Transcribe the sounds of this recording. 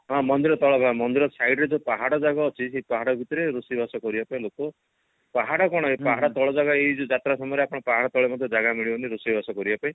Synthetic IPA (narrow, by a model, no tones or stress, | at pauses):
ɦɔ̃mɔnd̪iɾɔt̪ɔɭɔbʱãmɔnd̪iɾɔsajɖɾed͡ʒupaɦaɽɔd͡ʒaɡɔːt͡ʃʰisepaɦaɽɔbʱit̪ɔɾeɾusibasɔkɔɾibapaĩlokɔ | paɦaɽɔkɔɽ̃ɔepaɦaɽɔt̪ɔɭɔd͡ʒaɡɔeid͡ʒud͡ʒat̪ɾasɔmɔjɾeapɔɽ̃ɔpaɦaɽɔt̪ɔɭemɔd̪ʱjɔd͡ʒaɡamiɭibɔniɾusibʱasɔkɔɾibapaĩ